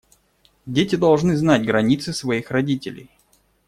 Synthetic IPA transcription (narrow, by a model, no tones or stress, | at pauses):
dʲetʲɪd̪ɐlˠʐnɨznatʲɡɾɐnʲit̪sɨsvɐixrɐdʲitʲɪ̰lʲɪ̰j